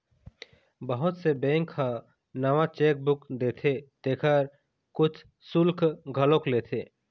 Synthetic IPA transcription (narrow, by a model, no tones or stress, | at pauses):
bəɦʊt̪sebɛ̃ːŋkʰha | nəʋat͡ʃeːk̚bʊkd̪eːt̪ʰet̪eːkʰəɾ | kʊt͡ʃʰ | sʊlkʰɡʱəlokleːt̪ʰeː